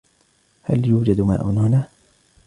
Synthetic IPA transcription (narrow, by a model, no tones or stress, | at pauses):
haljuːd͡ʒad̪ma̰ːʔʊnhʊnaː